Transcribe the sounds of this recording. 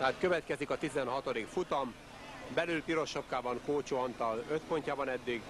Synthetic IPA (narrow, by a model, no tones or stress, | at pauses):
t̪ɛɦaːt̪køvɛt̪kɛzikɒt̪izɛnɦɒt̪o̞d̪ikfut̪ɒm | bɛlylp̪iɾo̞ʃopkaːbɒŋkoːt͡ʃoːɒnt̪ɒløt̪po̞ɲcaːbɒnɛd̪ːiɡ